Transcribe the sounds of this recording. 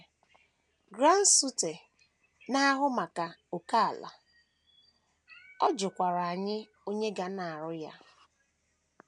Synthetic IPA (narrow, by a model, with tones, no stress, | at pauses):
ɡɾa˦n̩˦su˦te˨ | na˦ɦʊ˦ma˨ka˨o˨ka˦a˨la̰˨ | ɔ˦d͡ʒʊ˨kʷa˨ɾa˨a˨ɲɪ˦ | o˦ɲe˦ɡa˨na˨a˨ɾʊ˦ja̰˦